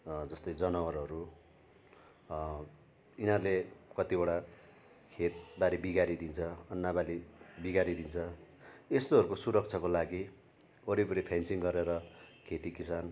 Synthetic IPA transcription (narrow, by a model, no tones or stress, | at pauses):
d͡zʌst̪ʌjd͡zʌnʌwʌɾʌɾu | inʌrlekʌt̪ibʌɽa | kʰet̪̚baɾibiɡaɾid̪int͡sʰʌːnːabalibiɡaɾid̪int͡sʰʌest̪oʌɾukosuɾʌk̚t͡sʰʌkolaɡi | oɾibuɾipʰansiŋɡʌɾeɾʌkʰet̪ikisan